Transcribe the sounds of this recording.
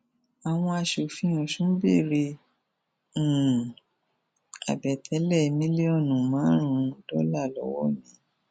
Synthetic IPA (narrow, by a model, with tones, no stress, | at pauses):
a˨w̃ɔ̃˧a˧ʃo˨fĩ˧ũ˨ʃũ˨˦bḭ˦˨ɾi˧˨ | a̰˨bɛ˨tʰɛ˨˦lɛ˦˨˧mĩ˦li˦ɔ˦˨nũ˨mãː˨˦ɾ̃ũ˨˧˦dɔ˦la˦˨lɔ̰˨˦wɔ̰˦mĩ˨˦